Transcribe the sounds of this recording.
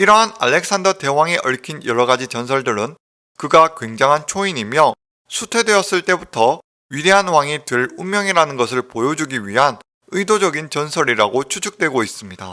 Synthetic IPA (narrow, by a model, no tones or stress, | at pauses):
iɾʌɦana̰ɭːe̞k̚s͈ʰandʌte̞waŋeʔʌɭkʰinjʌɾʌɡad͡ʑit͡ɕʌns̬ʰʌɭdɯɾɯn | kɯɡakwe̞ŋd͡ʑaŋɦant͡ɕʰoiɲimjʌ | sʰutʰwe̞dwe̞ʌs͈ɯɭt͈e̞butʰʌ | ɥide̞ɦanwaŋitɯɭummjʌŋiɾanɯnɡʌs̬ʰɯɭpojod͡ʑuɡiɥiɦan | ɯidod͡ʑʌɡint͡ɕʌnsʰʌɾiɾaɡot͡ɕʰut͡ɕʰuk̚t͈we̞ɡois͈ɯmɲida